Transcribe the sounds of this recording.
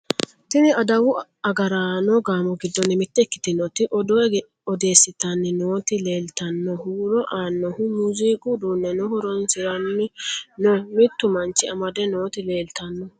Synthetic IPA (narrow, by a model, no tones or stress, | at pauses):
t̪ɪnɪɐd̪ɐwʊ | ɐɡɐɾanɔɡaːmɔɡɪd̪ːɔnːɪmɪt̪ːɛkːɪ̥t̪ɪnɔt̪ɪʔɔd̪ɔɛ | ɔd̪e̞ːsːɪt̪ɐnːɪnoːt̪ɪle̞ːlt̪ɐnːɔhuːɾɔʔaːnːɔhʊmuziːkʼʊd̪uːnːɛnɔhɔɾɔnsɪɾɐnːɪnɔmɪt̪ːʊmɐnt͡ʃːɪɐmɐd̪ɛnoːt̪ɪle̞ːlt̪ɐnːɔ